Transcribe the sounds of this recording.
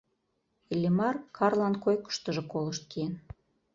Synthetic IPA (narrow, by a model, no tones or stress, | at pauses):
ilʲimɑrkʰɑrlɑnkojkə̥ʃt̪ə̆ʒɤ̆koləʃt̪̚kien